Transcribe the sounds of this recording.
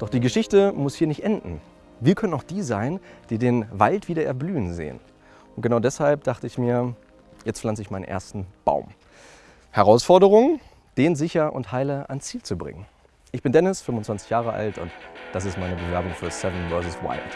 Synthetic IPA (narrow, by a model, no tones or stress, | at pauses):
d̥ɔχd̥iːɡəʃɪçtəmʊshiːɐnɪçtʔɛndn̩ | viːɐkʰœnənaʊxd̥iːzaɪnd̥iːdeːnvaltv̥iːdɐʔɛ̰ɐblyːənzḛːə̰n | ʔʊnt̚ɡ̥ənaʊdɛshalp̚d̥aχtəɪçmiːɐ | jɛt͡stflant͡səɪçmaɪnə̰nʔḛːɐstn̩b̥a̰ʊm | hɛʁaʊsfɔɐɾəʁ̞ʊŋə | d̥eːnzɪçɐʔʊ̰nthaɪləʔa̰nt͡siːlt͡subʁɪ̰ŋən | ʔɪçb̥ɪndɛnɪsfʏmʊntt͡sv̥ant͡sɪ̥çjaːʁ̞əʔa̰ltʰʊ̰ntd̥as̬ɪstmaɪnəbəvɛɐbʊŋfyːɐsɛvənvɜɐs̬əswa̰ɪlt